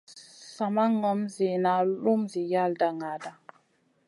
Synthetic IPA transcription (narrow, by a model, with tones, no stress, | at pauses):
sa˨ma˦ŋɔ˨˦mzi˨na˨lu˦mzi˨ja˦lda˨ŋa˨da˦